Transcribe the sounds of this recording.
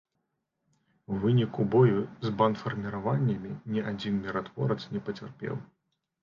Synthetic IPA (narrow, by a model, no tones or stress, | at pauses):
vɨnʲikubɔjuzbanfɐrmʲiɾavanʲːɐmʲinʲiad͡zʲinmʲiɾat̪vɔ̰ɾɐt̪snʲɛpɐt͡sʲa̰rpʲɛ̰w